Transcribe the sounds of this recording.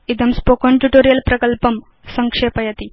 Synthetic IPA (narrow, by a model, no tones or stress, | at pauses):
id̪əmspokoɳʈuʈoɾijəlpɾɐkəlpəm | səŋkʂepɐjɐt̪i